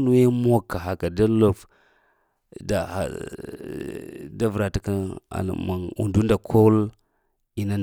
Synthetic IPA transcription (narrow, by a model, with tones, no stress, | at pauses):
nu˦je˦mo˦ka˨ɦa˨ka˨da˦lo˦f | da˨ha̰˨ | da˦vɾa˨ta˨ka˦a̰˨ma˨ṵ˨ndu˦nda˨kʰo˦l | i˦na˦n˨